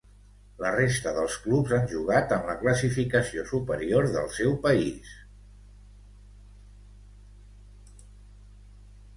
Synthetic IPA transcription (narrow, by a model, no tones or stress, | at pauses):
lərest̪əðəlˠsklupzanʲʒuɣ̞at̪əmləkləsifikəsiosupəɾioɾðə̰lˠsɛwpəḭs